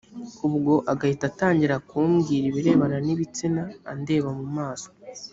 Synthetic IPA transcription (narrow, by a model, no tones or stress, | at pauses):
ubɡo̞ʔaɡahitataːɲɟiɾakuːmɡiːɾiβiɾe̞ːβananiβit͡sinaːnde̞ːβamumaːso̥